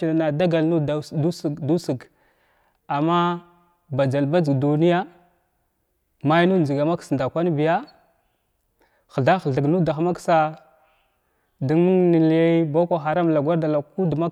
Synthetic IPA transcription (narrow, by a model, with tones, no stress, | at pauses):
i˨a˨na˨da˦ɡa˨lnu˦˨u˦sdu˦sə˨ɡ | a˨mːa˦ | ba˨d͡ʒa˨lba˦d͡zə˨ɡdu˨ni˦ja˦ | ma˦jnu˦n˨d͡ʒi˨ɡa˨ma˦ksnda˨kʷa˦n˦bi˨ja˦ | xə˨ɮa˦xə˨ɮə˨ɡnu˦da˨xa˨ma˦ksa˦ | di˦ŋmu˦ŋni˨la˦ba˦kʷa˨xa˨ɾa˦m˨la˨ɡʷa˦ɾda˨la˨˦ku˦dma˦